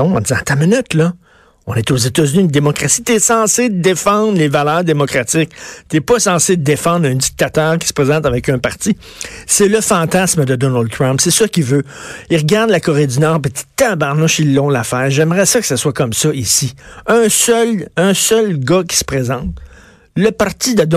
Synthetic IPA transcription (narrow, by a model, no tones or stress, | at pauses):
ɔ̃ɑ̃d̪izɑ̃t̪amənʏt̪lʌ | ɔ̰̃nɛt̪ozet̪azynind̪emɔkʁasit̪yɛsɑ̃sed̪əd̪efɑ̃d̪ʁlevalœːʁd̪emɔkʁat͡sɪk̚t̪yɛpʌsɑ̃sed̪əd̪efɑ̃ːd̪ʁɛ̃d̪ik̚t̪at̪œːʁkʲi̥sə̥pʁezɑ̃t̪avɛkœ̃paʁt̪t͡si | sɛləfɑ̃ːt̪asməd̪əd̪ɔnald̪̚t̪ʁɔ̃mpsɛsəkʲivøiʁɡaʁd̪lakɔʁed̪ynɑːʁpit̪i̥t̪abaʁnɔʃilːɔ̃lafɛːʁʒɛmʁɛsɔkə̥saswakɔmsʌʔisiœ̃sœlœ̃sœlɡʌkʲi̥sə̥pʁezɑ̃ːt̪ | ləpaʁt̪sid̪ə